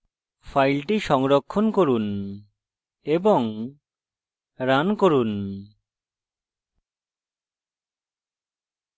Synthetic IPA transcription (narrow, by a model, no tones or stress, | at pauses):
pʰajlʈiʃɔŋɾɔkʰːɔnkoɾun | ebɔŋ | ɾankoɾun